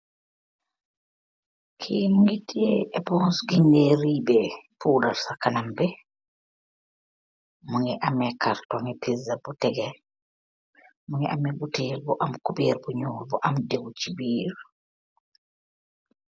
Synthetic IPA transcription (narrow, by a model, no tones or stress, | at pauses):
kʰimuŋɡitːiɛɛbɔnsɡindɛɾibɛpʰuːdaɾsakanambɛ | muŋɛʔamɛkʰaɾtɔŋɛpizabutɛɡɛ | muŋɛʔamɛbuteːɾbɔʔamkubeːɾbɔɲɔːlbɔʔamdewt͡ʃibiːɾ